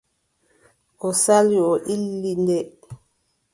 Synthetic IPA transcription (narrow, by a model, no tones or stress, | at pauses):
ɔsaliɔʔilːindɛ